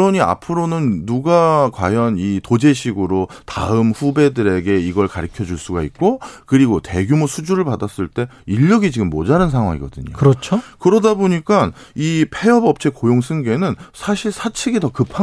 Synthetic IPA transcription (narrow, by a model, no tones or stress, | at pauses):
ʌɲia̰pʰɯɾonɯnːuɡakwajʌnitod͡ʑe̞ɕʰiɡɯɾota̰ɯmɸube̞dɯɾe̞ɡe̞iɡʌɭkaɾikʰjʌd͡ʑuɭs͈uɡait̚k͈okɯɾiɡote̞ɡjumosʰud͡ʑuɾɯɭpadas͈ɯɭt͈e̞iʎːʌɡid͡ʑiɡɯmːʌd͡ʑaɾɯns̬ʰaŋɦwa̰ŋḭɡʌdɯ̰ɲo̰kɯɾʌt͡ɕʰokɯɾʌdaboɲik͈an | ipʰe̞ʌbʌp̚t͡ɕʰe̞kojoŋsʰɯŋɡe̞nɯnsʰaɕʰiɭsʰat͡ɕʰiɡitʌkɯpʰa